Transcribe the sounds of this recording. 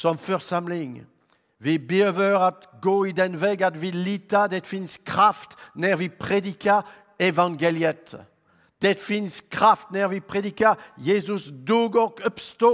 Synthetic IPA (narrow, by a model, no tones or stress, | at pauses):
sɔ̃mfœʁsamliŋ | vibiøvœʁat̪ɡoid̪ɛnvɛɡad̪vilit̪ad̪ɛt̪finskχaft̪nɛʁvipχed̪ika | evɑ̃ɡeljɛt̪ | d̪̥ɛt̪finskχaft̪nɛʁvipχed̪ikajezysd̪uɡɔkɔpst̪o